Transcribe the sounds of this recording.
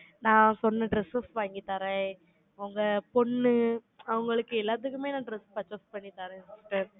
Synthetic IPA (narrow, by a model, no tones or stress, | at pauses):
nãːsɔnːɯɖɾɛsɐsʋaːŋɡit̪aːɾɛ̃ | ɐɐŋɡɐpɔɳːɯ | ɐʋɐŋɡɐɭɯkːɯɛlːaːðɯkːɯmeːnãːɖɾɛspɐt͡ʃːɐspɐɳːit̪aːɾɛ̃ssʈːɐ̃